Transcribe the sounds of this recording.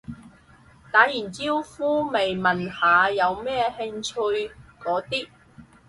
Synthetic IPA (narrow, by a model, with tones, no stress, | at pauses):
t̪aː˨˥jiː˨˩nt͡siː˥wfuː˥me˨jmɐ˨˩nhaː˨˧jɐ˨˧wmɛː˥he˧ŋt͡ʃʰɵ˧ɥkɔː˨˥t̪iː˥